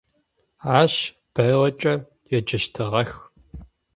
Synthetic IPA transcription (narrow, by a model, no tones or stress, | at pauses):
aːɕ | b̥ɐwɐt͡ʃʼɐ | jɛd͡ʒɐʃtʰɨʁɐx